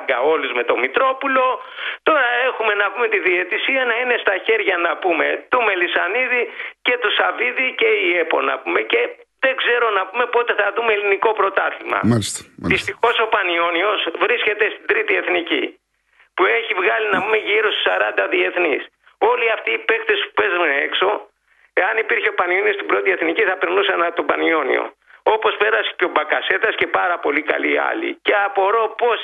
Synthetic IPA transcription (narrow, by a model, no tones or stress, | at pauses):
ɡɐo̞luzme̞t̪o̞mit̪ɾo̞pulo̞ | t̪o̞ɾɐe̞xume̞nɐpume̞t̪iðie̞t̪isiɐnɐine̞st̪ɐçe̞ɾʝɐnɐpume̞̰t̪ume̞lisɐniðice̞t̪usɐviðice̞ie̞po̞̰nɐ̰pume̞ce̞ðe̞ɡze̞ɾo̞nɐpume̞po̞t̪e̞θɐðumeliniko̞pɾo̞t̪ɐθimɐ̰ðist̪ixo̞so̞pɐnio̞nio̞svɾisce̞t̪e̞st̪id̪ɾit̪ie̞θnicḭ | pue̞çivɣɐlinɐpume̞ʝiɾo̞st̪u̥sɐɾɐnd̪ɐðie̞θnis | o̞liɐft̪iːpe̞kt̪e̞spu̥pe̞zunee̞kso̞ | e̞ɐnipiɾçeopɐnio̞nio̞st̪ibɾo̞t̪ie̞θniciθɐpeɾnusɐnɐt̪o̞bɐnio̞nḭo̰ | o̞po̞spe̞ɾɐse̥ceo̞bɐkɐse̞t̪ɐsce̞pɐɾɐpo̞likɐ̰liɐ̰lḭce̞ɐpo̞ɾo̞po̞s